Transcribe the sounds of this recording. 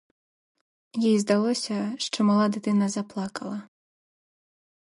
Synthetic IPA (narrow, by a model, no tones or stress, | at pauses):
jɛjzd̪alˠɔsʲɐʂt͡ʂɔmalˠad̪ɨt̪ɨnɐzaplˠakɐlˠɐ